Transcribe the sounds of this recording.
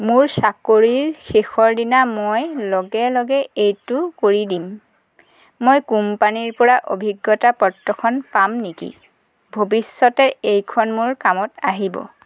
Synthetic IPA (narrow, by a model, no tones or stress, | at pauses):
mʊɹsakoɹiɹxexɔɹdinamojlɔɡɛlɔɡɛejtukoɹidim | ojkumpaniɹpɔɹaʔobʱiɡːɔtapɔtːɔkʰɔnpamnikḭ | bʱobisːɔtɛejkʰɔnmʊɹkamɔtaɦibɔ̰